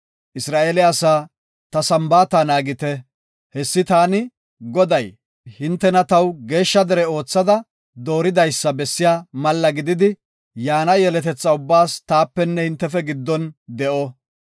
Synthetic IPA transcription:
ʔɪsɾaːʔeːlɛɐsaː | t̪ɐsɐmbaːt̪ɐnaːɡɪt̪ɛ | hɛsːɪt̪aːnɪ | ɡɔd̪ɐj | hɪnt̪ːɛnɐt̪ɐwɡe̞ːʃːɐd̪ɛɾɛo̞ːt͡sːɐd̪ɐ | d̪o̞ːɾɪd̪ɐjsːɐbɛsːɪjaːmɐlːɐɡɪd̪ɪd̪ɪ | jaːnɐjɛlɛt̪ɛt͡sːɐʊbːaːst̪aːpːɛnːɛhɪnt̪ːɛfɛɡɪd̪ːɔnd̪ɛʔɔ

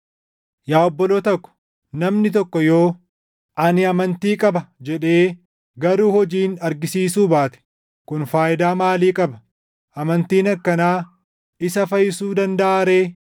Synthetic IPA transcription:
jaːɔbːɔloːt̪ɐkːɔ̥ | nɐmnɪt̪̬ɔkːɔjo̞ː | ʔɐnɪɐmɐnt̪iːkʼɐbɐd͡ʒɛᶑe̞ː | ɡɐɾuːhɔd͡ʒiːnɐɾɡɪsiːsuːbaːt̪ɛ̥ | kʊnfaːʔɪd̪aːmaːliːkʼɐbɐ | ʔɐmɐnt̪iːnɐkːɐnaː | ɪsɐfɐjɪsuːd̪ɐnd̪ɐʔaːɾe̞ː

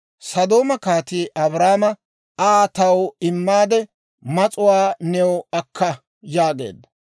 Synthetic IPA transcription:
sɐd̪o̞ːmɐkaːt̪iːʔɐbɾaːmɐ | aːt̪ɐwɪmːaːd̪ɛ | mɐt͡sʼʊwaːnɛwʊɐkʰːɐ | jaːɡe̞̰ːd̪ːɐ

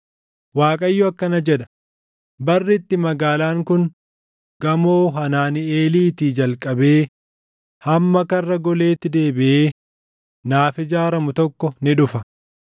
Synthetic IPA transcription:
waːkʼɐjːʊɐkːɐnɐd͡ʒɛᶑɐ̥ | bɐrːɪt̪ːɪmɐɡaːlaːŋkʊn | ɡɐmoːɦɐnaːnɪeːliːt̪iːd͡ʒɐlkʼɐbe̞ː | hɐmːɐkɐrːɐɡɔle̞ːt̪ːɪd̪e̞ːbɪʔeː | naːfɪd͡ʒaːɾɐmʊt̪ɔkːɔnɪᶑʊfɐ

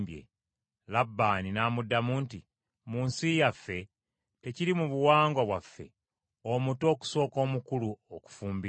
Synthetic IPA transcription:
bjḛ | labːaːninaːmudːamuːnti | muːnsijafːe̞ | te̞ciɾimuβuwaːŋɡwaβwafːe̞̰ | omuto̞ːku̥so̞ːko̞ːmukuluoku̥fuːmbi

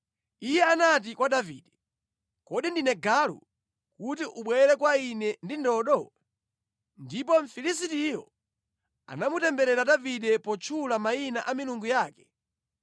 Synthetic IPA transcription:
ijɛanat̬ikwaɗaviːɗɛ | kɔɗindinɛɡalṵ | kutiʔuɓwɛɾɛkwainɛndindɔɗɔ | ndipɔɱ̩filisitijɔ̰ | a̰namutɛmbɛɾɛɾaɗaviɗɛpɔt͡ʃʰulamainaʔamiluŋɡujaːkɛ̥

